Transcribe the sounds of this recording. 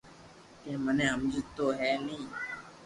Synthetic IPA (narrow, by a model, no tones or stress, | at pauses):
kẽːmənẽːəmd͡ʒʱt̪oːɦɛːnĩː